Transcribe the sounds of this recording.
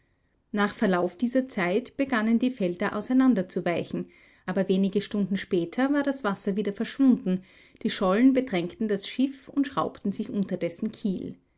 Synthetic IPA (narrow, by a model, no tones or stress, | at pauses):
naːχfɛɐlaʊfd̥iːzɐt͡saɪtb̥əɡanəndiːfɛldɐʔa̰ʊsɛɪnandɐt͡suvaɪçn̩ | ʔaːbɐveːnɪɡəʃtʊndn̩ʃpɛːtʰɐvaːɐdasv̥asɐviːdɐfɛɐʃv̥ʊndn̩ | d̥iːʃɔlnbədʁɛŋktn̩dasʃɪfʊntʃʁ̥a̰ʊptn̩zɪçʔʊntɐdɛsn̩kʰiːl